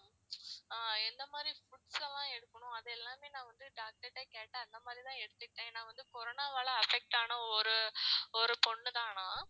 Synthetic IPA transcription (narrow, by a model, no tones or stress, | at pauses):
aːɛnd̪ɐmaːd̪ɾifʊʈsɐlːãːɛɽɯkːɐɳʊ̃ɐðɯɛlːaːmeːnãːʋɐnd̪ɯɖaːk̚ʈɐʈːeːkeːʈːɐɐnd̪ɐmaːd̪ɾit̪ãːɛɽɯt̪ːɯʈːẽːnãːʋɐnd̪ɯkɔɾoːnaːʋɛːɭɐɐfɛk̚ʈaːnɐɔɾɯɔɾɯpɔɳːɯt̪aːnãː